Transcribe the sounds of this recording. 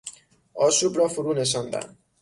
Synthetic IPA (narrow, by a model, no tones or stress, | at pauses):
ɒːʃuːbɾɒːfuɾuːneʃ̬ɒnd̪æ̰n